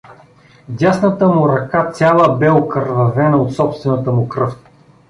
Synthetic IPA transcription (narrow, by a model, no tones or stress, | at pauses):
dʲasnət̪əmʊɾɐkat̪sʲalˠəbɛokəɾvɐvɛnəot̪sɔpst̪vɛnət̪əmʊkɾɤft̪